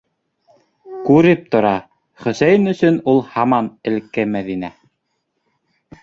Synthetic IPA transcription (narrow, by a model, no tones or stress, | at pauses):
kʉɾɘp̚t̪ŏɾɑ | χɵ̆sæjɘnɵ̆sɵnulˠhɑmɑnɘ̆lkːɘmæðinæ